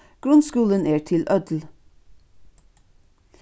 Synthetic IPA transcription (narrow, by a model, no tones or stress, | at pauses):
ɡ̥ɾʉnskuːlənʔeːʈʰɪlʔœd̪l̩